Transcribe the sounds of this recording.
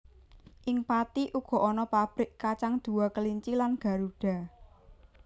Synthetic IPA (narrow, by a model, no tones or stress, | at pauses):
ʔɪŋpat̪iʔuɡ̥ɔ̤ʔɔnɔpab̥ɾɪkːat͡ʃaŋd̪̥ṳwakəliɲt͡ʃilanɡ̥a̤ɾuɖ̥a̤